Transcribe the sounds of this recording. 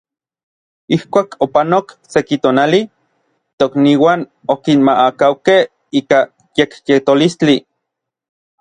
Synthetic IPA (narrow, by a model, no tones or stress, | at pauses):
ihkʷaːkʰopanoksekit̪oːnali | t̪okniːwaːn | okinmaʔakawkeh | iːka | jekjet̪olist͡ɬi